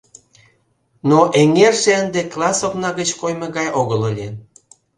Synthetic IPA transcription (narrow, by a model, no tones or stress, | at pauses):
noʔeŋerʃeənd̪eklˠɑsoknɑɣət͡ɕkojmeɣɑjoɣəlolʲen